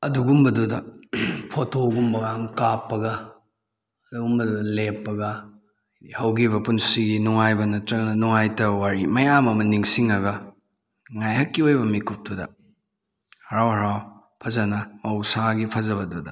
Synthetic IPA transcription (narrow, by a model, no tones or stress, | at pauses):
ɐduɡumbɐdudɐpʰotʰoɡumbɐɡɐɐŋkapːɐɡɐ | ɐduɡumbɐdudɐlepːɐɡɐ | jdihɐwɡiβɐpunsiɡinuŋajbɐnɐtɾɐŋnɐnuŋajtɐwaɾimɐjamɐmɐniŋsiŋɐɡɐ | ŋajɦɐkːiojbɐmikup̚tudɐ̰ | hɐɾawhɐɾaw | pʰɐzɐnɐmɐwsaɡipʰɐzɐβɐdudɐ̰